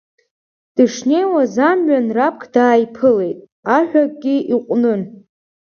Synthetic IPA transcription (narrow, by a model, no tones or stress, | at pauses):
d̥ɨʂne̞jwazamɥanrap̚ʰkʰdaːjpʰɨle̞jtʼ | aħᶣak̚ʼɡʲiʔiqʷʼnɨn